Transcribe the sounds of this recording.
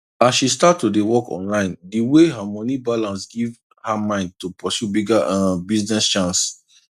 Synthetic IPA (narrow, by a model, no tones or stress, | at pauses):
asʃistatːudewɔkɔ̰̃nlãɪ̃ndiweɦamɔnibalãnsɡiv | hamãɪ̃nd̚tupɔsjubiɡaãbiznɛst͡ʃãns